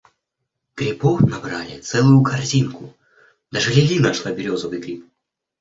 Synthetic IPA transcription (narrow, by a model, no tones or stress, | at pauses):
ɡ̥ɾʲɪbɔfnɐbɾalʲɪ̰t̪sɛlˠʊjʊkʰɐrzʲinkʊ | d̪aʐɨlʲɪlʲinɐʂlˠabʲɪɾʲozəvɨjɡɾʲip